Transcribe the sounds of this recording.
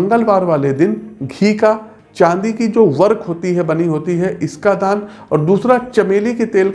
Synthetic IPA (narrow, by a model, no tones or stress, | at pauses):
ŋɡəlʋaːɾʋaːled̪ɪnɡʱiːka | t͡ʃãːnd̪ikid͡ʒoːʋɐɾkʰɦoːt̪iɦɛbɐniɦoːt̪iɦɛʔɪskad̪ʱaːn | ɔːɾd̪uːsɾat͡ʃɐmeːliket̪eːlk